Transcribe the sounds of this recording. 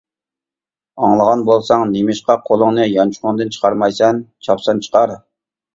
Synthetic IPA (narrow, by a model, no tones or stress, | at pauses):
ɑŋlˠəʁɑnbolˠsɑŋnemɪʃqɑqʰolˠʊŋnɨjɑnt͡ʃʰʊ̥χʊnd̪ɨnt͡ʃʰə̥qʰɑɾmɑjsɛnt͡ʃʰɑpsɑnt͡ʃʰə̥qɑɾ